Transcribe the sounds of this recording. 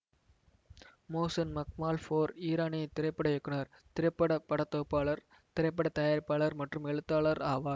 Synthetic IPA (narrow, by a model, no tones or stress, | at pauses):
moːsɐnmɐk̚maːlfoːɾiːɾaːnɐɪt̪ɪɾɐɪpːɐɽɐjɛkːɯnɐɾ | t̪ɪɾɐɪpːɐɽɐpɐɽɐt̪ːoːpːaːɭɐɾ | t̪ɪɾɐɪp̬ːɐɽɐt̪ɐjaːɾpaːɭɐɾmɐʈrɯmɛɭɯt̪ːaːɭɐɾaːʋaːɾ